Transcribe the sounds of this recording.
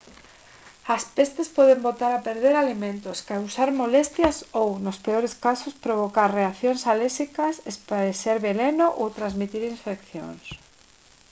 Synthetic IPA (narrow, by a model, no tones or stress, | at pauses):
aspest̪espɔðembot̪aɾapeɾðeɾalimẽnt̪oskausaɾmolest̪jasownospeoɾeskasospɾoβ̞okaɾreaθjonsalesikɐsespaɾeseɾβelenoʔowt̪ɾazmit̪iɾiɱfekθjo̰ŋs